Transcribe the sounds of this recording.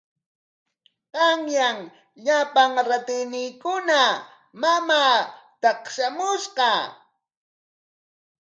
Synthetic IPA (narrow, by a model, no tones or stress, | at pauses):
qɑŋjaŋ | ʎapaŋɾat̪ɪjnɪjkʊna | mamaːt̪ɑqʃamʊʃqɑ